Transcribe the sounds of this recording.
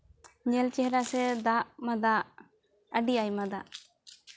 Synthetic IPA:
ɲɛlt͡ʃɛɦɾasɛd̪aʔmad̪aʔ | əɖijajmad̪aʔ

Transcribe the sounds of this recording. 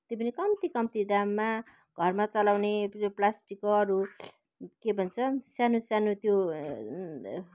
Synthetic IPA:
t̪jopʌnikʌmt̪ikʌmt̪id̪amːa | ɡ̥ʱʌrmat͡sʌlawneplasʈikːoʌɾu | kebʱʌnt͡sʰʌsjanusjanut̪jo

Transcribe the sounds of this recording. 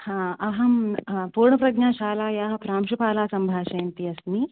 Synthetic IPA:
hãːɐɦɐmpuːɾɳɐpɾɐɡɲaːʃaːlaːjaːɦɐpɾaːmʂupaːlaːsɐmbʱaːʃɐjɐnt̪iɐsni

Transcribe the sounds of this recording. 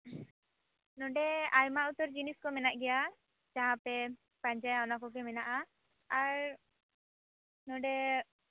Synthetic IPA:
nɔ̃ɖɛajmaʔut̪ɔɾd͡ʒiniskɔmɛnaʔɡɛja | d͡ʒaɦãpɛ | pãɲd͡ʒajanakɔɡɛmɛnaʔaː | ɾ | nɔɖɛ

